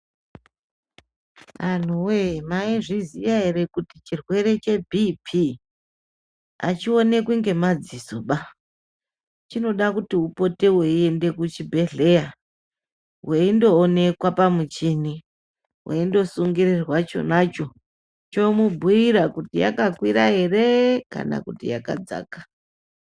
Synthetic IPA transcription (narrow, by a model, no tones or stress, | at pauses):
an̤uwemaiʐizijaɦeɾe̞kutit͡ʃirwe̞ɾe̞t͡ʃe̞bʱipʰi | a̰t͡ʃio̞ne̞kwuŋɡe̞mad͡ziso̞ɓa | t͡ʃino̞ɗakutiupo̞teweie̞nde̞kut͡ʃibʱe̞ɮe̞ja | weindo̞ːne̞kwapamut͡ʃini | wʔḛindo̞suŋɡirirwat͡ʃo̞̰nat͡ʃo̞ | t͡ʃo̞mubʱujiɾakutija̰kakwiɾaɦe̞reka̰na̰kutḭja̰ka̰d͡za̰ːkḁ